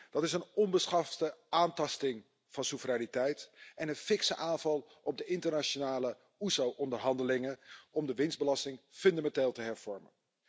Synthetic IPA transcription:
d̥ɑtɪsənɔnbəsχɑftəʔaːntɑstɪŋ | v̥ɑnsuvəraːnitɛjtʔɛnənfɪksəʔaːnvɑlˠ | ɔb̚dəʔɪntəɹnat͡ʃonaːlə | uzowʔɔndəɹɦɑndəlɪŋənɔmdəʋɪnzdbəlɑstɪŋfɵndamɛnteːlˠtəɦɛɹv̥ɔɹmə̰n

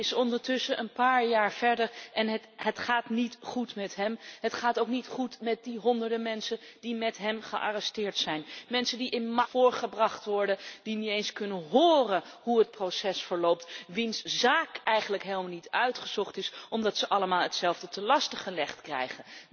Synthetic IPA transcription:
ɪsɔndəɹtʏsəʔənpaːɹjaːɹv̥ɛɹdəɹʔɛnɦətɦətχaːtnitχutmɛtɦɛmɦətχaːtowknitχutmɛt̚diɦɔndəɹdəmɛnsənd̥imɛtɦɛmχəʔa̰rɛstɪːɹtsɛjnmɛnsəndiʔɪnmɑfʊːɹχəbrɑχtʋɔɹdəd̥iniejnskɵnənɦʊːrənɦuɦət̚prosɛsfəɹlowp̚tʋinszaːkɛjχənləkɦelˠmalnitœɥtχəzɔχtɪsʔɔmdɑtsəʔɑləmaːlˠətsɛlˠvdətəlɑstəχəlɛχtkrɛ̰jχən

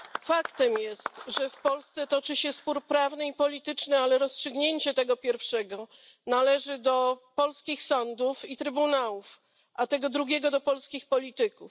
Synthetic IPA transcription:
fakt̪ɛmjɛst̪ʐɛfpɔlst̪sɛt̪ɔt͡ʂɘɕɛspuɾpɾavnɘipɔlʲit̪ɘt͡ʂnɘalɛɾɔstʂɘɡɲeɲt͡ɕɛt̪ɛɡɔpʲjɛɾfʂɛɡɔ | nalɛʐɘd̪ɔpɔlskʲixsɔnd̪ufit̪ɾɘbunawuf | ʔat̪ɛɡɔd̪ɾuɡʲɛɡɔd̪ɔpɔlskʲixpɔlʲit̪ɘkuf

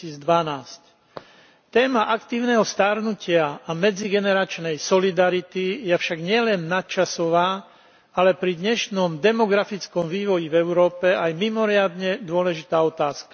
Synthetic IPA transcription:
iːd͡zd̪ʋanaːsc | t̪ɛːmaʔakt̪iːʊnɛɦɔst̪aɾnucɪaamɛd͡ziɡɛnɛɾat͡ʃnɛjsɔlid̪aɾit̪ijɛfʃaɡɲɪɛlɛnːat̪t͡ʃasɔʋaː | alɛpɾid̪ɲɛʃnɔmd̪ɛmɔɡɾafit͡skɔmʋiːʋɔjivɛʊɾɔːpɛajmimɔɾɪad̪ɲɛd̪ʊɔlɛʒit̪aːɔt̪aːskḁ

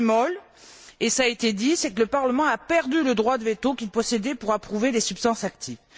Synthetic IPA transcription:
mɔl | esaet̪ed̪isɛkələpaʁləmɑ̃apɛʁd̪yləd̪ʁwad̪əvet̪okʲilpɔsed̪ɛpuʁapχuved̪esypst̪ɑ̃sak̚t̪ʰiv

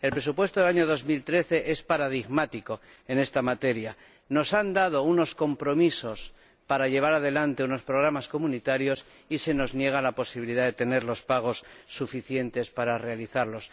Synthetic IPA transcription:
e̞lpɾe̞supwe̞st̪oðelaɲo̞ðo̞zmilt̪ɾe̞θe̞ʔe̞spaɾaðiɣmat̪iko | e̞ne̞st̪amat̪e̞ɾja | no̞sand̪að̞o̞uno̞sko̞mpɾo̞miso̞s | paɾaʎe̞β̞aɾaðe̞lant̪e̞uno̞spɾo̞ɣ̞ɾamasko̞mũnit̪aɾjo̞s | ise̞no̞znje̞ɣ̞alapo̞siβiliðaðe̞t̪e̞ne̞ɾlo̞spaɣ̞o̞sːufiθje̞nt̪e̞spaɾare̞aliθaɾlo̞s

